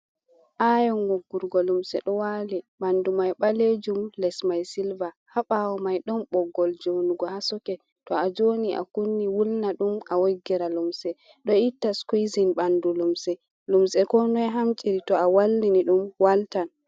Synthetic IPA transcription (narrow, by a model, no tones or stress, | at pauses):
ʔajɔŋɡɔɡːuɾɡɔlumsɛ̰ɗɔwaliɓandumajɓaled͡ʒumlɛsmajsilva | haɓawɔmajɗɔnɓɔɡːɔld͡ʒonuɡɔhasɔkɛ | tɔad͡ʒoniʔa̰kunːiwulnaɗumawoɡːiɾalumsɛ | ɗɔitːaskuzinɓandulumsɛ | lumsɛkɔnɔjɦamt͡ʃʼiɾitɔawalːiniɗumwaltan